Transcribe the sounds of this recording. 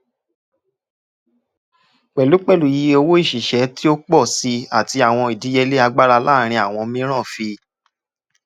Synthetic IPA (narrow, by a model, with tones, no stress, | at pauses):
k͡pɛ˨lu˨˦k͡pɛ˦˨lu˨ji˨˧˦o˧wo˦i˦˨ʃi˨ʃɛ˨˦ti˦o˦k͡pɔ˦˨si˧a˨ti˧a˨w̃ɔ̃˧i˨di˨˦jɛ˧le˦a˧ɡ͡ba˦ɾa˧laː˦˨ɾ̃ĩ˧a˨w̃ɔ̃˧mĩ˦ɾ̃ã˦˨fi˧